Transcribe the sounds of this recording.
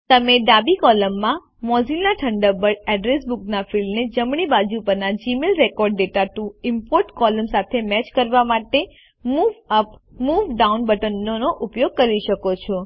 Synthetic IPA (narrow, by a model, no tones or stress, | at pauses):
t̪əmeɖabikɔləmːã | mɔzilnaʈʰəɳɖəbəɾɖɛɖɾesbuknafilmned͡ʒəmɳ̃ibad͡ʒupəɾnad͡ʒimelɾekɔɾɖːeʈaʈuɪmpoɾʈkɔləmsat̪ʰemɛt͡ʃkəɾʋamaʈe | muʋəpmuʋɖaunbəʈənːonoʔupjoɡ̚kəɾiʃəkot͡ʃʰɔ